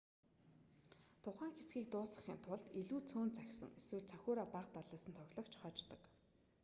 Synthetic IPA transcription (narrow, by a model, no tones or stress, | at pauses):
t̪ʰʊχæːŋxet͡sɡiːk̚t̪ʊːsə̆χḭːnt̪ʰʊɮt̪eɮuːt͡sʰoːnt͡sæxʲsə̰̆ŋeswɘ̆ɮt͡sʰaxʲʊːɾaːpaqt̪aɮiːsə̆nt̪ʰɔɣʲɮɞ̆kt͡ɕχɔt͡ɕt̪ɞ̆k